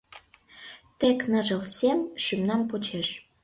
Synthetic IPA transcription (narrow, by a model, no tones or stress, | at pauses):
t̪eknəʒɤ̆wsʲemʃymnɑmpot͡ɕeʃ